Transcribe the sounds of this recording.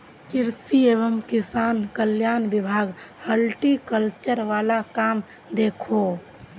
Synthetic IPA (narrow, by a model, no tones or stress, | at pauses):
kɪɾsieːʋəmkɪsaːnkəljaːnbɪbʱaːɡhəlʈikəlt͡ʃəɾʋaːlakaːm | d̪eːkʰo